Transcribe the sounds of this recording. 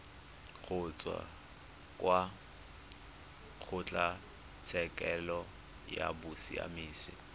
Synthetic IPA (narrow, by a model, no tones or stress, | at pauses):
k͡xʰʊt͡sʼwa̰ | kʼwa | k͡xʰʊt͡ɬʼa | t͡sʰɛkʼɛlɔ | ja̰bʊsia̰miːsɪ̰